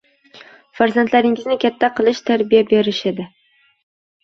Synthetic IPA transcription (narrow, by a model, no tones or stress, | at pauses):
faɾzant̪ʰlaɾɪŋɪznɪkʲʰat̪ʰːaqʰɨlˠɪʃt̪ʰaɾbijabe̞ɾɪʃɪd̪ɪ